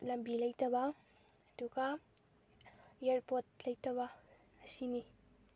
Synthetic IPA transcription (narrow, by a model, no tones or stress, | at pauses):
lɐmbilɐjtɐbɐ | ɐduɡɐ | eɾpot̚lɐjtɐβɐː | sini